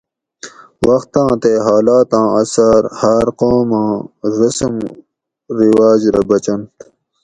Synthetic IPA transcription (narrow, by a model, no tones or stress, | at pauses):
wɐxt̪ãːt̪eɦaːlaːt̪ãːɐsaɾhaɾqoːmãːɾɐsum | ɾiwaːd͡ʑɾɐbɐt͡ɕɐnt̪